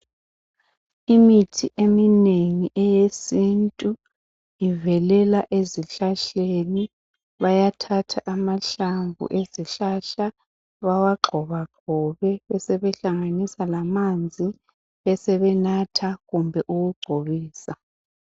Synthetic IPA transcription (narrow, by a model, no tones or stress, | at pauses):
imitʰiʔemineŋiʔɛjesintʼu | ivɛlɛlaʔeziɬaɬeni | βajatʰatʰaʔamaɬaɱbʱṵʔeziɬaɬa | βawaɡ͡ǃʱɔβaɡ͡ǃ̥ʱɔβɛβɛsɛβɛɬaŋanisalamand͡zʱi | βɛsɛβɛnatʰaɣumbʱɛʔuɣuɡ͡ǀʱoβiːsa